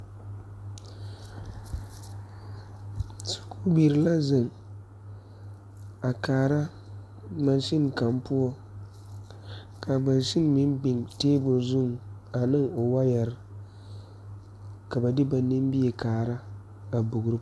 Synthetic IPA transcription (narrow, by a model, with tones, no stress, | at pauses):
su̥˨ku˦bi˨ɾɨ˨la˦zɨ˨ŋ | a˨kaː˨ɾa˦ | ma˦n˦ʃɪ˦n˨ka˨mpu˦ɔ˦ | kʰa˨ba˨nʃɪ˦n˦mɪ˦nɡ͡bɪ˨ŋteː˦bʊ˨zʊ˦˨ŋ˨ | a˨nɨ˦ŋo˨wa˦jɛ˨ɾɨ˦ | ka˨ba˨dɪ˦ba˨nɪ˦m˦bi˦ɛ˨kaː˨ɾa˦ | a˨bʊ˨ɡʊ˨ɾɨ˦